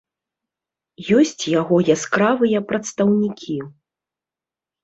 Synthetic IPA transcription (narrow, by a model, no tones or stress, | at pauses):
jɔsʲt͡sʲjaɣɔjaskɾavɨjɐpɾɐt̪st̪ɐwnʲikʲʰi